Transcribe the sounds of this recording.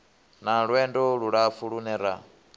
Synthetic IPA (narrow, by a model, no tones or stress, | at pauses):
naɺwɛndɔɺuɺafuɺunɛɾa